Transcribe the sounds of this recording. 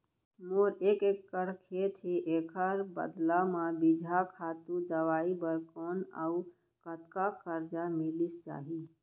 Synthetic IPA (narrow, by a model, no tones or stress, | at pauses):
moːɾeːkeːkːəɽkʰet̪ʰeʔeːkʰəɾbə̰d̪lamãbid͡ʒʱakʰaːt̪ud̪əʋaːibəɾkoːnə̰u | kət̪kakəɾd͡ʒamɪlist͡ʃa̰ːɦiː